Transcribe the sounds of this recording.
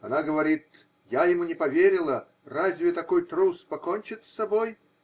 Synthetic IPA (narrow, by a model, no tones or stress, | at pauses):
ɐnaɡəvɐɾʲit̪ | jajɪmunʲɪpɐvʲeɾʲɪlˠə | razʲvʲɪt̪ɐkojt̪ɾuspɐkonʲt͡ɕɪt̪sːɐboj